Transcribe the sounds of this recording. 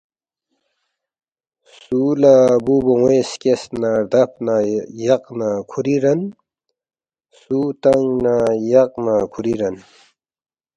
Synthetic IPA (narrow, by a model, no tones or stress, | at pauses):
suːlabuboweskesnad̪ɐp̚ʰnajɐqnakʰuɾiɾɐn | sut̪ɐŋnajɐq̚nakʰuɾiɾɐn